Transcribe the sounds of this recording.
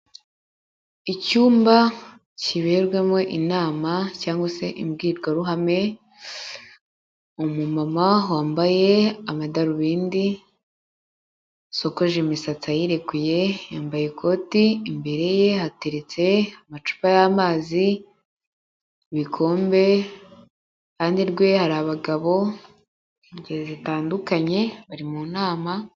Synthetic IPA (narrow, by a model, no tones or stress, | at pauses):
icuːmba | ciβeɾɡwemo̞ʔinaːmacaːŋɡwase̞ʔimbɡiːɾɡaɾuɦame̞ | omumamawaːmbaje̞amadaɾuβiːndi | so̞ko̞ʒemisat͡sajiɾe̞kuje̞jaːmbaje̞kʰo̞tiːmbe̞ɾe̞je̞hateɾet͡se̞amat͡ʃu̥pajaːmaːzi | βikʰo̞ːmbe̞ | kaːndiɾɡwe̞haɾaːβaɡaβo̞ | iɟezitaːndukaɲe̞βaɾimunaːma